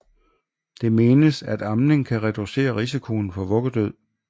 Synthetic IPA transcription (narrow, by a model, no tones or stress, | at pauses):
d̥e̝me̝ːnəsæd̥ɑ̈mne̝ŋkʰæʁɛd̥use̝̰ːɐʁis̬ikʰo̝n̩fɒ̽ʋɔ̽ɡ̥ɐd̥øð̞̰ˠ